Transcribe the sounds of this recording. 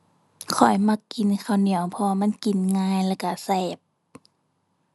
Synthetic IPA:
kʰɔ˨˩jma˧kːi˨nkʰa˧˩wni˨˧˦əwpʰɔ˧a˧ma˧˥˨nki˨nŋaː˧˥˨jlaː˧˩ka˧˩sɛː˧˩p̚

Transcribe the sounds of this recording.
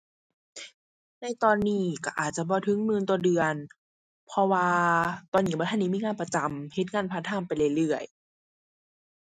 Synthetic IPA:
na˧˩jt̪ɔː˧nːiː˧˩ka˧˩ʔaː˨˩t̪̚t͡ɕa˧˨bɔː˧˦t̪ʰɯ˧˦ŋmɯː˧˥˨nt̪u˧ədɯ˨˧ən | pʰɔ˧waː˧t̪ɔː˨˧˨nːiː˧˩bɔː˧˦tʰa˧˥˨niː˧miː˧˨ŋaː˧˨pa˧t͡ɕa˨˧˦mhe˧˦t̪̚ŋaː˧˥˨npʰa˧˥t̪ʰaː˧˥˨mpa˨jlaː˧˩jlɯ˧˩əj

